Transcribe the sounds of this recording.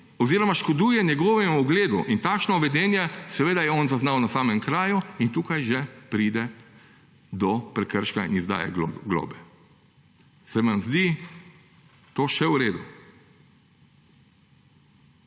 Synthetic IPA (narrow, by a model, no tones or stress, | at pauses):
ɔziːɾɔmaʃkɔd̪uːjɛnjɛɡɔːʋɛmuɔɡleːd̪ṵʔint̪aːkʃnɔʋɛd̪ɛːnjɛsɛʋeːd̪ajɛɔnzaznawnasaːmɛmkɾaːjuint̪uːkajʒɛpɾiːd̪ɛ | d̪ɔpɾɛkəɾʃkaḭnizd̪a̰ːjɛ̰ɡlɔ̰ːbɛ | sɛʋanzd̪i | t̪oːʃɛwɾeːd̪u